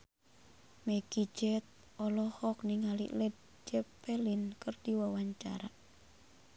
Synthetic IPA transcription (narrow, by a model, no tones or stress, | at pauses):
meɡ̥i̥d͡ʒɛt̪̚ | ɔlɔhɔk̚niŋalḭʔlɛd̪̚ | d͡ʒɛpelinkərd̪̥iwawaɲt͡ʃa̰ɾaʔ